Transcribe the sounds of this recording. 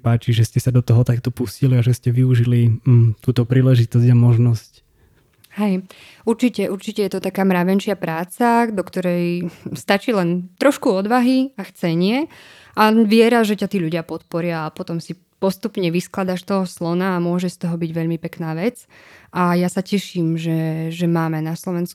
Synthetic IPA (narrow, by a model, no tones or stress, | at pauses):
paːt͡ʃiʒɛscɛsad̪ɔt̪ɔɦɔt̪ak̚t̪ɔpusciliaʒɛscɛʋiuʒilit̪uːt̪ɔpɾiːlɛʒit̪ɔzɟamɔʒnɔsc | ɦɛj | uɾt͡ʃicɛʔuɾt͡ʃicɛjɛt̪ɔt̪akaːmɾaʋɛnʃɪapɾaːt͡sad̪ɔkt̪ɔɾɛjst̪at͡ʃiːlɛnt̪ɾɔʃkuɔd̪ʋaɦiaxt͡sɛɲɪɛ | ʔaʋɪɛɾaʒɛcat̪iːʎuɟɪapɔt̪̚pɔɾɪaːpɔt̪ɔmsi | pɔst̪upɲɛʋisklad̪aʃt̪ɔɦɔslɔnaːmʊɔʒɛst̪ɔɦɔbiɟʋɛʎmipɛknaːʋɛt͡sʔajasacɛʃiːmʒɛʒɛmaːmɛnaslɔʋɛnsku